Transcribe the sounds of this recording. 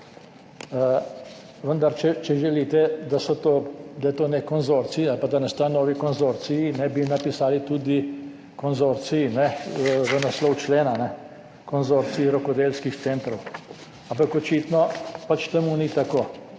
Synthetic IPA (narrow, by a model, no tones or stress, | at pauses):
ə | ʋənd̪aɾt͡ʃɛt͡ʃɛʒɛliːt̪ɛd̪asɔt̪oːd̪ajɛt̪oːnɛkɔnzoɾt̪siialpad̪anɛst̪anɔːʋikɔnzoɾt̪sijinɛbinapisaːlit̪ud̪i | kɔnzoɾt̪siinɛʋənaslɔwt͡ʃleːnanɛ | kɔnzoɾt̪siiɾɔkɔd̪elskixt̪sɛnt̪ɾɔw | ampakɔt͡ʃit̪nɔpat͡ʃt̪ɛmunit̪akoː